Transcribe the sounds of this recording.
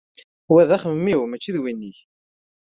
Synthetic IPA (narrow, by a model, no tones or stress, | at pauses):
wæðæχəmmːiwmæt͡ʃːiðwinːiç